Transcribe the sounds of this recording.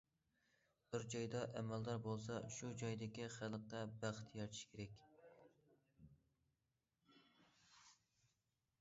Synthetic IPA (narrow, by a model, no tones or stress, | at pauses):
b̥ɪɾd͡ʒɑjd̪ɑʔɛmæld̪ɑɾbolˠsɑʃud͡ʒɑjd̪ɪkʲiχælˠəqːɑbæχt̪ʰjɑɾt͡ʃ̪ʰi̥ʃkʲʰeɾɛkʲ